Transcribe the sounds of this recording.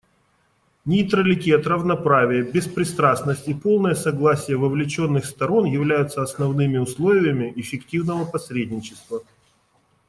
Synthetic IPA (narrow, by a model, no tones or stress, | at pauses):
nʲɪt̪ɾəlʲɪtʲiɐt̪rəvnɐpɾavʲɪjəbʲɪspɾʲɪst̪ɾasnəsʲtʲipo̞lˠnəjəsɐɡlˠasʲɪjəvɐvlʲɪt͡ɕo̞nːɨxst̪ɐɾo̞njɪvlʲæjʊt̪səɐsnɐvnɨmʲɪʊslˠo̞vʲɪjəmʲɪʔɪfʲɪktʲivnəvəpɐsɾʲedʲnʲɪt͡ɕɪst̪və